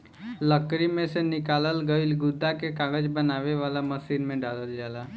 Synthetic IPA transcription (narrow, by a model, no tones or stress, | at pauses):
ləkɾimẽsenɪkaːləlɡəɪlɡʊd̪ːakekaːɡəd͡ʒbənaːʋeʋaːlaməsiːnmẽɖaːləld͡ʒaːlaː